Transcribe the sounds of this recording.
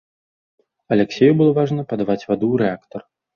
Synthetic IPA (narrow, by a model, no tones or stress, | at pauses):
ɐlʲɛksʲejubɨlˠɔvaʐnɐpɐd̪avat͡sʲvad̪uɾɛakt̪ɐr